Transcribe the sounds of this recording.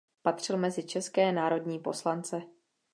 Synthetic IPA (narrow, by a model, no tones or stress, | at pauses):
pat̪r̝̥ɪlmɛzɪt͡ʃɛskɛːnaːɾo̞dɲiːpo̞slant͡sɛ